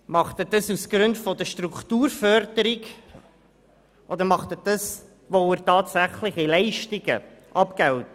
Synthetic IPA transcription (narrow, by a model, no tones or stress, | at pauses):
mɑχtədəsusɡ̥ɾʉndfɔdəʃtɾuktuːɾfœɾdəɾɪɡ | ʔɔd̪əɾmɑχtəd̥əs | voɪɾtɑːtsæχlɪχilɛɪʃtɪɡə̰ʔɑpkɛwt